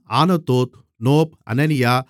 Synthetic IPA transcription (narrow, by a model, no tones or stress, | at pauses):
aːnɐt̪oːt̪ | noːp̚ɐ̰nɐnijaː